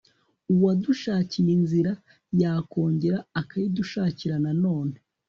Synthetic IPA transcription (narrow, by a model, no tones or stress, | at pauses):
uwaduʃaːcijinziɾa | jaːko̞ːɲɟe̞ɾaːkajiduʃaːciɾanano̞ːne